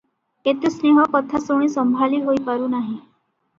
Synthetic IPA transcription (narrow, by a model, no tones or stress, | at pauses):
et̪usneɦɔkɔt̪ʰasoɳ̃ĩːsəmbʱaliːɦoipaɾuːnaɦĩ